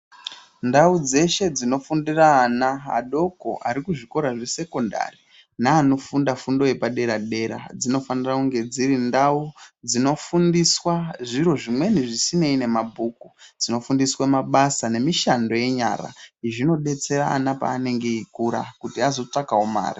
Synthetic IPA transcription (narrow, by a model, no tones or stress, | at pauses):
ndaud͡ze̞ʃe̞d͡zino̞fundiraːnaa̰ɗo̞ko̰ʔa̰ɾikuʐiko̞ɾaʐese̞ko̞nda̰ri | naːno̞fundafundo̞je̞paɗe̞ɾaɗe̞ɾa̰d͡zino̞fanirakuŋɡe̞d͡ziɾindaud͡zino̞fundiswaʐiro̞ʐimwe̞niʐisine̞ine̞mabʱuːkud͡zino̞fundiswamaɓasane̞miʃando̞je̞ɲa̰ra̰iʐino̞ɗe̞t͡se̞ɾaːnapa̰ːne̞ŋɡe̞ikuɾa̰kutiazo̞t͡ʂakaoma̰ːri